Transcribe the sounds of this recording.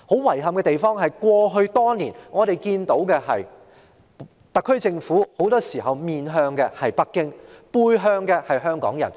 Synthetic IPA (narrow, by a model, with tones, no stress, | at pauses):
ho˨˥wwɐ˨˩jɦɐ˨mkɛː˧t̪e˨jfɔː˥ŋɦɐ˨jkʷɔː˧ɦɵ˧ɥt̪ɔː˥niː˨˩nŋɔː˨˧t̪e˨jkiː˧nt̪o˨˥wkɛː˧hɐ˨j | t̪ɐ˨˩kʰːɵ˥ɥt͡sɪ˧ŋfuː˨˥ho˨˥wt̪ɔː˥siː˨˩ɦɐ˨wmiː˨nɦœː˧ŋkɛː˧hɐ˨jpɐ˥kːɪ˥ŋpuː˧jɦœː˧ŋkɛː˧hɐ˨jɦœː˥ŋkɔ̰ː˨˥ŋjɐ̰˨˩n